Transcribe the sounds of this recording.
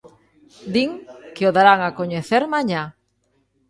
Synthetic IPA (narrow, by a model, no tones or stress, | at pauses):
d̪iŋkeoðaɾaŋakoɲeθeɾmaɲa